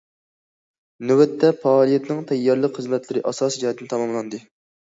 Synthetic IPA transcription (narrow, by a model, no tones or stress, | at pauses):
nywɛt̪ːɛpɑːlˠijɛt̪nɨŋt̪ʰɛjːɑɾlˠəqχəzmɛt̪lɪɾɪʔɑsɑːsid͡ʒɑt̪ːɨnt̪ʰɑmɑmlˠɑnd̪ɨ